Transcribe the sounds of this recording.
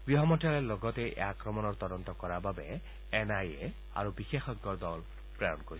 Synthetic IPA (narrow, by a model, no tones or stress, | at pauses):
b̥iɦɔmɔtalelɔɡɔt̪ɛʔɛ̰akɹɔmɔnɔɹt̪ɔdɔnt̪ɔkɔɹababɛː | najḛ | a̰ɹubixexɔɡːɔɹd̪ɔl | pɹaɹɔ̰nkoɹi